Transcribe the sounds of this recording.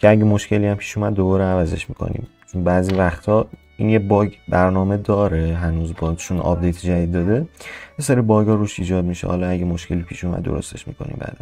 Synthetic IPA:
cʰeæɡɟemo̞ʃce̞liæmpʰi̥ːʃuːmæd̪ːo̞bɒːɾeævæzeʃmiːkʰo̞̰nḭːmt͡ʃʰunbæːziːvæxt̪ʰɒː | iːnjebɒːɟbæɾnɒːme̞d̪ɒːɾeɦænuːzbɒt͡ʃʰunʔɒ̰ːb̚d̪e̞jt̪ʰd͡ʒæd̪id̪ːɒːd̪e̞jeseɾibɒːɡɒːɾuːʃiːd͡ʒɒːd̪miʃḛhɒ̰ːlɒæɟemoʃkʰe̞liːpʰiːʃuːmæ̰d̪ːoɾo̞̰st̪ʰe̞̰ʃmḭːkʰo̞̰nḭmbæ̰ːd̪æn

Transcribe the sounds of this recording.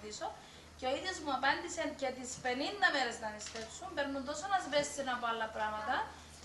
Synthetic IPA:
iso̞ | ceo̞iðjo̞zmuɐpɐnd̪isence̞t̪ispe̞nind̪ɐme̞ɾe̞znɐnist̪e̞fsumbe̞ɾnːund̪o̞sonɐzbe̞sːinɐpoalːɐpɾɐmɐt̪ɐ

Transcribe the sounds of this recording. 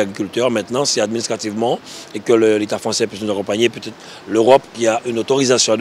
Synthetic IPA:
aɡʁikʲylt̪œʁmɛ̃t̪nɑ̃sɛad̪minist̪χat̪ivmɑ̃ekələlet̪afχɑ̃sɛpɥisnuzakɔ̃paɲepøt̪ɛt̪χ | løʁɔpkʲiaʔynot̪oʁizasjɔ̃ad̪

